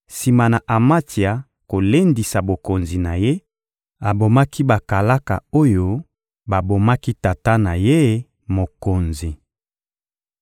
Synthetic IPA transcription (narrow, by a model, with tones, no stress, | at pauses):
si˨ma˨na˨ʔa˨ma˦ti˨a˨ | ko˨le˦ndi˨sa˨bo˨ko˨nzi˨na˨je˦ | a˨bo˨ma˦kʰi˦ba˨ka˨la˦ka̰˨o˦jo˦ | ba˨bo˨ma˦ki˦ta˨ta˦na˨je˦ | mo˨ko˨nzi˨